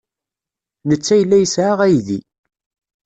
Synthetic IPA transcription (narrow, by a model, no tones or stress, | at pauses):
nət͡sːæjəlːæjəsʕaʁæjðḭ